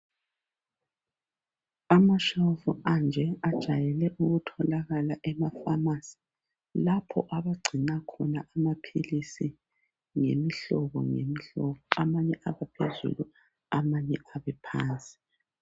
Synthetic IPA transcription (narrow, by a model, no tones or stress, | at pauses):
amaʃafuand͡ʒʱɛad̥ʒ̥ʱajɛlɛʔuɣutʰɔlaɣalaʔɛmafamasi̥ | lapʰɔʔaβaɡ͡ǀʱinakʰɔnaʔamapʰḭlisi | ŋemiɬɔβɔ̰ŋḛmiɬɔβɔamaɲɛʔaβapʰezṵlu | amaɲɛaβɛpʰaːnt͡sʼi̥